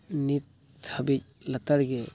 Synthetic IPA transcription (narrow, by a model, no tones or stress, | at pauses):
nit̪ʰː | ɐbic̚lɐt̪aɾɡɛ